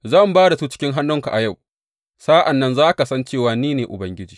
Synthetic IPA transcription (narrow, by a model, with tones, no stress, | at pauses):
zɐ˦˨mbaː˦da˨suː˦t͡ʃɪ̥˦kʲɪ˦ŋɦa˦nːʊ˦ŋka˨ʔa˨ja˦˨w | saː˦ʔa˨nːɐ˦nzaː˦ka˨sɐ˦nt͡ʃeː˦˨waː˨niː˦neː˨ʔʊ̰˨bɐ˦ŋɡʲɪ˦d͡ʒiː˨